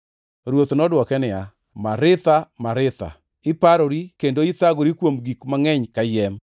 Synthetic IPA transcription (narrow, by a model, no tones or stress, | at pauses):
ɾwot̪nɔdwɔkɛnɪa | maɾɪt̪amaɾɪt̪a̰ | ɪpaɾoɾikendoit̪aɡoɾikwomɡikmaŋɛɲkajɛm